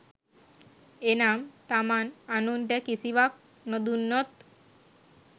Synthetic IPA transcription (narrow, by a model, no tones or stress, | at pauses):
enamt̪amananunʈekisiʋak̚ | nod̪unːot̪